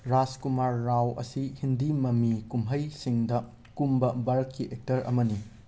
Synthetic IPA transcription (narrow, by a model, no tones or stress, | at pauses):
ɾaskumaɾːawɐ̰sihindimɐmikumɦɐjsiŋdɐ | kumbɐbɐɾɐt̚kiʔek̚tɐɾɐ̰mɐni